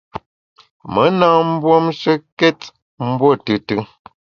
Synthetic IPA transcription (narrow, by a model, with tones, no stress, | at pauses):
mə˨˦naː˦˨m̩˦bwɔ˦mʃə˦kɛ˦t | m̩˦bwɔ˦˨tɨ˨˦tɨ˦